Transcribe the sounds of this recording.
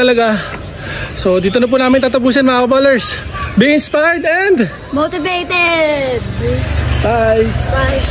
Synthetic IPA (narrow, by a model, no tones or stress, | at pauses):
ɐlɐɡa | so̞d̪iːt̪onɐp̬uːnaːmɪnt̪aːt̪ɐpuːs̬ɐnmɐaɐbalɛɹs | biːɪnspajɹd̪ɛnd̪ | mot̪ɪvejt̪ɛd̪̚ | bajaj